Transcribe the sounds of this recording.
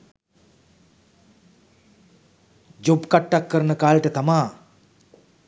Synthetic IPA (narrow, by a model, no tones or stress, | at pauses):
d͡ʒobkaʈːakːəɾənəkaːlʈət̪amaː